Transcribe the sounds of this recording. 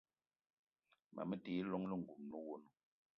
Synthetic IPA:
mʔa̰˨mə˦te˨˦lɔ˦ŋlə˦˨ŋ̩˨ɡu˨mnu˦wo˦nu˦

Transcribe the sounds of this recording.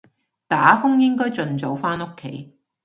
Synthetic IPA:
t̪aː˨˥fʊ˥ŋjɪ˥ŋkɔː˥jt͡sɵ˨nt͡so˨˥wfaː˥no˥kʰːe˨˥j

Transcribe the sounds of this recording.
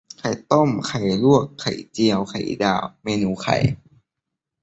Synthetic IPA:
kʰa˨˩jt̪o˥˩mkʰa˨˩jlu˥˩əkʰːa˨˩jt͡ɕi˧əwkʰa̰˨˩jdaː˧˩wmeː˧nuː˧˦kʰa̰˨˩˦j

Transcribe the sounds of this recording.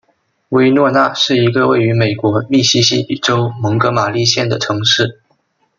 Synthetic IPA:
we˥ɪnwɔ˥˧na˥˧ʂɻ̩˥˩i˧˥ɡə˧we˥˩ɪy˧˥me˨˩ɪkwɔ˧˥mi˥˩ɕi˥ɕi˥i˨˩ʈ͡ʂo˥ʊmɤ˧˥ŋkɤ˧˥ma˨˩li˥˧ɕjɛ˥˩nd̪ə˩ʈ͡ʂʰɤ˧˥ŋʂɻ̩˥˩

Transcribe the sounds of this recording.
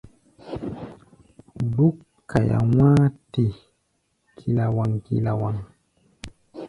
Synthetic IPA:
bu˦kʰː | a˨ja̰˨waː˦ti˨ | kʰi˨la˨wa˨ŋkḭ˨la˨wa˨ŋ

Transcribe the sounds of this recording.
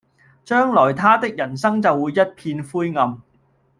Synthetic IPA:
t͡ʃœː˥ŋlɔː˨˩jt̪ʰaː˥t̪ɪ˥k̚jɐ˨˩nsɐ˥ŋt͡sɐ˨wːuː˨˧jːɐ˥t̚pʰiː˧nfuː˥jŋɐ˨m

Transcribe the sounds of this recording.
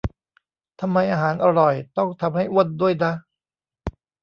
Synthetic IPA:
t̪ʰa˧mːa˧jʔaː˧ɦaː˩˦nʔa˧ɾɔ˨˩jt̪ɔ˥˩ŋt̪ʰa˧mha˥˩jʔu˥˩t̪̚duː˥˩əjda˦˥˩

